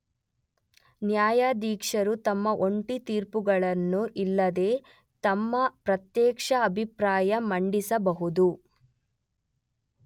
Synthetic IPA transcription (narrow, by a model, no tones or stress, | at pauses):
njaːjaːd̪iːkʂɐɾut̪ɐmːɐʔo̞ɳʈit̪iːɾpuɡɐɭɐnːuʔilːɐd̪e̞ː | t̪ɐmːɐpɾɐt̪jɛːkʂɐːbʱipɾaːjɐmɐɳɖisɐbɐɦud̪u